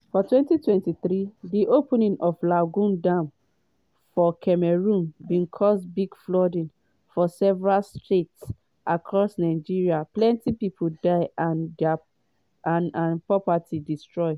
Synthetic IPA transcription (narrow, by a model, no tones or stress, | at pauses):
fɔtwɛ̃ntitwɛ̃ntiθɹidiʔopnĩnʔɔvlaɡũndãm | fɔkʰɛmɛɹũnbĩnkʰɔsbiɡflɔdĩn | fɔsɛvɛɹalstʰets | ʔakʰɹɔsnaɪd͡ʒiɹiaplɛ̃ntipipʰodaɪanda | nãnpɹɔpatʰidistɹɔɪ